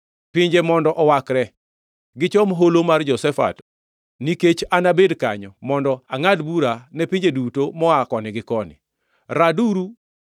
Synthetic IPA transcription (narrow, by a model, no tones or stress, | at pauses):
piɲd͡ʒemɔndɔʔɔwakɾɛ | ɡɪt͡ʃɔmɦolomard͡ʒɔsɛfa̰t | niket͡ʃanabedkaɲɔmɔndɔaŋadbuɾanɛpiɲd͡ʒedutomɔakɔnɪɡɪkɔnɪ̰ | ɾaduɾu